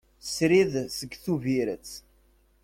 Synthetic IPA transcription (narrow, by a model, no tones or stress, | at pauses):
sɾiðsəɡθuviɾət͡sː